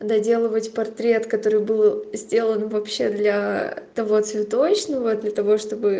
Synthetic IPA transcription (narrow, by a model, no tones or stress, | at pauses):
d̪ɐdʲe̞lˠəvətʲpɐrt̪ɾʲe̞t̪kɐt̪o̞ɾɨjbɨlˠzʲdʲe̞lˠənvɐpɕːe̞d̪lʲɐt̪ɐvo̞t̪svʲɪt̪o̞t͡ɕnəvəd̪lʲət̪ɐvo̞ʂt̪o̞bɨ